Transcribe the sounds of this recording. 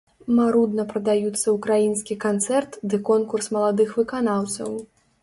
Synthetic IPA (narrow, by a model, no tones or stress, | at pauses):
maɾud̪nɐpɾɐd̪ajut̪sːɐukɾajinskʲikant̪sɛrt̪d̪ɨkɔnkursmɐlˠad̪ɨxvɨkanawt̪sɐ̰w